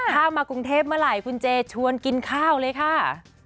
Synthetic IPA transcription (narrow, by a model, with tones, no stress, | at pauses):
haː˥˩wmaː˧ku˧ŋt̪ʰeː˥˩p̚mɯ˧˥˩la˨˩˦jkʰu˧nt͡ɕeː˧t͡ɕʰu˧ənki˧nkʰaː˥˩wlɤː˧jkʰa˥˩